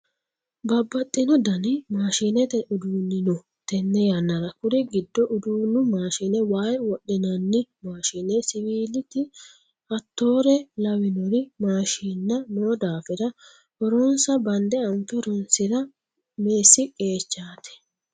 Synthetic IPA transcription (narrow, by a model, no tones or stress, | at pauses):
bɐbːɐt̪ʼːɪnɔd̪ɐnɪmaːʃinɛt̪ɛʔʊd̪uːnːɪnɔ | t̪ɛnːɛjanːɐɾɐkʊɾɛɡɪd̪ːɔʔʊd̪uːnːʊmaːʃinɛwaːjwɔɗɪnɐnːɪmaːʃinɛsɪwiːlɪt̪ɪ | ɐt̪ːo̞ːɾɛlɐwɪnɔɾɪmaːʃiːnːɐnoːd̪aːfɪdɐ | hɔɾɔnsɐbɐnd̪ɛɐnt̪ɔɾɔnsɪɾɐ | meːsːɪkʼe̞ːt͡ʃːaːt̪ɛ̥